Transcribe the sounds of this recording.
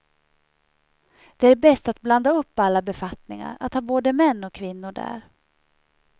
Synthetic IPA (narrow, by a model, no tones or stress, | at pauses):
d̪̥ɛæɖbɛst̪at̪̚bland̪aɵpːalːabɛfat̪nɪŋa̰ɾa̰t̪hɑːboːd̪əmɛnːɔkʰːvɪnːʊɖæ̰ːɾ